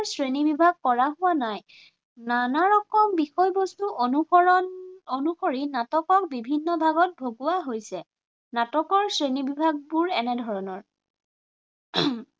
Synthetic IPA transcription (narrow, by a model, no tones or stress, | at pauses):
sɹenibibʱaɡ̚kɔɹaɦʊwanaj | nanaɹɔkɔmbixɔjbostuʔonuɔ | onuxoɹinatɔkɔk̚bibʱinːɔbʱaɡɔt̚bʱoɡʊwaɦojsɛ | natɔkɔɹsɹenibibʱaɡ̚buɹɛnɛdʱɔɹɔnɔɹ